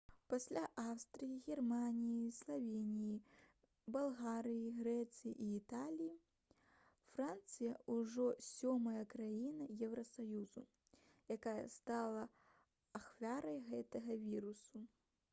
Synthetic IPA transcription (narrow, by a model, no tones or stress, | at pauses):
pasʲlʲaʔawst̪ɾɨjiɣʲɛrmanʲijislˠavʲenʲiji | balˠɣaɾɨjiɣɾɛt̪sɨjḭʔiːt̪alʲiji | frant̪sɨjɐuʐɔsʲɔmɐjɐkɾajinɐjɛwɾɐsajuzu | jakajɐ̰st̪alˠɐ | axvʲaɾɐjɣɛt̪ɐɣɐvʲiɾusu